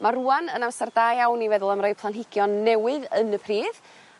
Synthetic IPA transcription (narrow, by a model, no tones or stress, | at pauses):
maruːanənamsardaːjawnivɛðʊlˠəmrɔjpʰlˠanɦɪɡ̥jɔnːɛwɨðənəpʰriːð